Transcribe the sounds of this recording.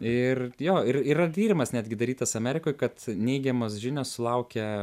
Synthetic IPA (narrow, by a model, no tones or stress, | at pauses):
ɪrjoːɪɾirɐt̪ʲiːɾʲɪmɐsnʲæːd̪ʲɡʲɪd̪ɐɾʲiːt̪ɐsɐmʲæːɾʲɪkoːɪkɐt̪nʲɛɪɡʲɛmoːsʒʲɪnʲoːssʊlˠɐʊkʲɛ